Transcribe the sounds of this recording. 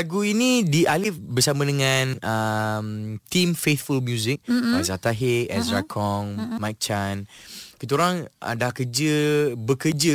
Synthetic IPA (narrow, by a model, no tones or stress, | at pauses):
laɡuinĩdiʔalɪfbərsamə̃dəŋanəmt̪imfet̪fulmjuzɪk̚azat̪aɦeɛsɾakʰɔŋmajk̚t͡ʃankət̪uɾaŋə̰dakəd͡ʒəbəkəd͡ʒə